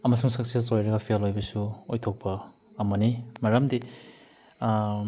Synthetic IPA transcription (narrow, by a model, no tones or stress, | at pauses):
ɐmɐs̬uŋsɐk̚sesojɾɐɡɐpʰialojbɐsuojtʰok̚pʰɐː | mɐnimaɾɐmdi